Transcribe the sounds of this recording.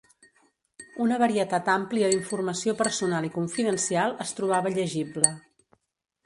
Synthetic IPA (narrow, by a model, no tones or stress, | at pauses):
unəβ̞əɾiət̪at̪ampliəðiɱfurməsiopəɾsunalˠikuɱfiðənsialˠəst̪ɾuβ̞aβəʎəʒiblə